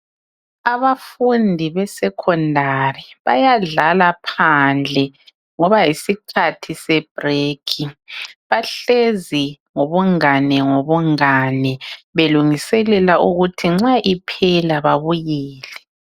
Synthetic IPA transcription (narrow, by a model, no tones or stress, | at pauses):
aβafundʱiβɛsɛkʰɔndʱariβajaɮalapʰand͡ɮʱɛ | ŋɔβajisikʰatʰisɛb̥rekʰiβaɬezi | ŋoβuŋanɛŋoβuŋanɛβeluŋisɛlɛlaʔuɣutʰiŋ͡ǁaʔipʰɛlaβaβujiːlɛ